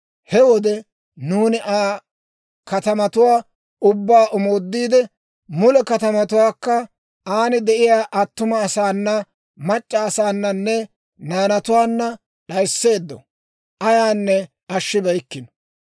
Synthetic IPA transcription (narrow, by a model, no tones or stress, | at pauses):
hɛwɔd̪ɛ | nuːnɪʔaː | kɐt̪ɐmɐt̪ʊwaː | ʊbːaːʔɔmoːd̪ːiːd̪ɛ | mʊlɛkɐt̪ɐmɐt̪ʊwaːkːɐ | aːnɪd̪ɛʔɪjaːʔɐt̪ːʊmɐːsaːnːɐ | mɐt͡ʃʼːɐːsaːnːɐnːɛ | naːnɐt̪ʊwaːnːɐ | ɗɐjsːe̞ːd̪ːɔ̰ | ʔɐjaːnːɛ | ɐʃːɪbɐjkːɪnɔ̥